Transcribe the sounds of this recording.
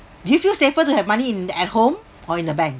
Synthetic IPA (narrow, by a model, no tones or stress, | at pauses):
dujufilsefətuhɛvmaniĩnɛt̚hõm | ɔĩndəbɛ̃ŋk̚